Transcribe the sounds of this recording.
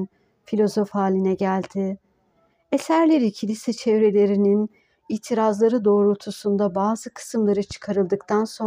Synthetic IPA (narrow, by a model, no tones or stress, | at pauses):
n | filʲo̞zo̞fhaːlʲinɛɟælʲd̪ɪ | e̞sæɾlʲe̞ɾicʰilʲisɛt͡ʃʰɛvɾe̞lʲe̞ɾinin | iːt̪ʰiɾazlˠaɾɯd̪o̞ːɾut̪ʰusund̪abaːzɯkʰɯ̥sɯmlˠaɾɯt͡ʃʰɯ̥kʰaɾɯlˠd̪ɯkt̪ʰanso̞